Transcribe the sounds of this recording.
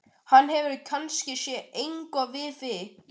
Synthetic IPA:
hanːɦɛvʏɾkʰanscɪsjɛejŋkɔvɪðvɪ

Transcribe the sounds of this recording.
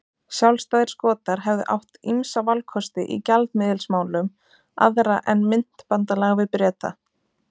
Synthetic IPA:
sjawlst̪aːðɪɾ̥skɔːt̪aɾ̥ɦɛvðʏ̰ʔa̰wht̪imsavalkʰɔst̪ɪʔḭcalt̪mɪːðɪlsmaːwlʏm | a̰ðɾaʔɛnmɪn̥t̪pant̪alɛɣvɪðpɾɛːt̪a̰

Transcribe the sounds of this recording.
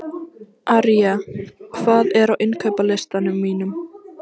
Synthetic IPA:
ʔaɾjakʰvaːðɛɾawʔɪnkʰœɥpalest̪anʏmːiːnʏm

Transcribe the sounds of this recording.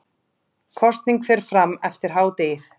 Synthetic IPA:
kʰɔst̪niŋkfɛːɾ̥fɾamːɛft̪ɪɾ̥ɦaːwt̪ejθ

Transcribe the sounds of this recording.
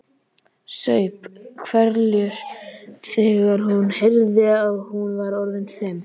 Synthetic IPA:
sœːɥpkʰvɛɾljʏɾθɛːɣaɾ̥ɦunhejɾðɪaːɣhunvaɾɔɾðɪnθɛm

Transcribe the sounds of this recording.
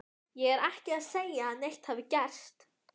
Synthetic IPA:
jɛɣɛɾɛhcɪaðseːjaːnejht̪haːvɪcɛr̥st̪

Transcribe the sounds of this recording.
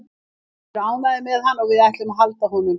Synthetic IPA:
ɾaːwnaðɪmɛðɦanːɔɣvɪðajht̪lɪmaðɦalt̪aɦuːnʏm

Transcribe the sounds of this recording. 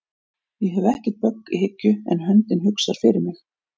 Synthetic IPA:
jɛɦɛvɛhcɪ̥t̪̚pœkːḭhɪcːʏɛ̰nɦœnt̪ɪnɦʏksaɾ̥fɪɾɪɾmɪx

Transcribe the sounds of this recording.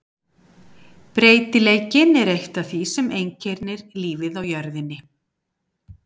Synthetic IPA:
pɾeːjt̪ɪleːjcɪnɛɾejht̪aθvisɛmejɲcʰɛɾnɪɾliːvɪðawjœɾðɪnːɪ

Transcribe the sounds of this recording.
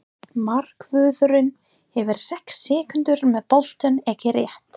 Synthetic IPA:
mar̥kvʏːðʏɾʏn | hɛvʏɾ̥sɛhksːɪːkʏnt̪ʏɾmɛðpɔl̥t̪œnɛcɪɾjɛht̪

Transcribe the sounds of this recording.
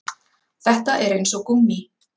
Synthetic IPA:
θɛht̪aʔɛɾejnsɔkumːi

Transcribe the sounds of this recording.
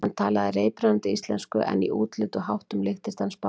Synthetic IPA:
ant̪ʰaːlaðɪreːjpɾant̪ɪist̪lɛnskʏʔɛ̰nḭʔṵːt̪lʏt̪ʏɦawht̪ʏmlɪxt̪ɪst̪anspa

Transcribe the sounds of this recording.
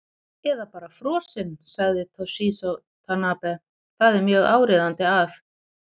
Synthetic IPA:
ɛðapaːɾafɾɔːsɪnsaɣðɪt̪ʰɔsisɔ | t̪ʰanaːpɛ | θaðɛɾmjœːɣa̰ːwɾɪðant̪ɪaθ

